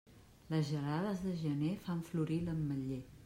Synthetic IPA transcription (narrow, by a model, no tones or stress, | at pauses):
ləzʒəraðəzðəʒənefaɱfluɾiləmːəʎe